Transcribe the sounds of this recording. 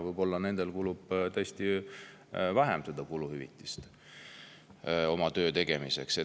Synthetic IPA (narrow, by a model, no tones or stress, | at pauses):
vɯjbo̞lːɑne̞nd̪̥e̞lkulub̥t̪øsʲt̪i | væɦḛmsed̪ɑkuluhyvit̪ːˑi̥st̪ | o̞mɑt̪ø̞ːt̪e̞ɡe̞mise̞̰kse